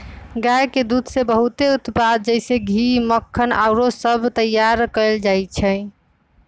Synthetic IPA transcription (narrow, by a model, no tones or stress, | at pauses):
ɡajked̪ud̪ʱsebəɦut̪eut̪pad̪̚d͡ʒəɪseɡʱiməkʰːəna̰ʊɾosəbʱt̪əjːaɾkəɪld͡ʒajt͡ʃʰɛ